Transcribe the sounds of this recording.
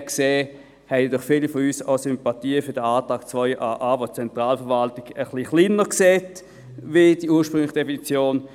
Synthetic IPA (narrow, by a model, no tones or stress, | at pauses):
kseː | hɛɪd̥ʊχfilifɔyːsɔsʏmpatiːəfʏɐdəaːtʁaːk̚t͡svɔʏʔaʔaːbot͡sɛntʁaːlfəɐʋaltɪɡəχliχlinəkseːt | vid̥iuːɐʃpʁʏŋlɪχəd̥efinit͡sjoːn